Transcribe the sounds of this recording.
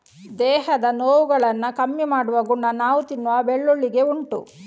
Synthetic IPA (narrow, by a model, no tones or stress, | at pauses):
d̪ɛːhɐd̪ɐnoːʋuɡɐɭɐnːɐkɐmjimaːɽuʋɐɡuɳːɐnaːʋut̪inːuʋɐbeɭːoɭːiɡe̞uɳʈṵ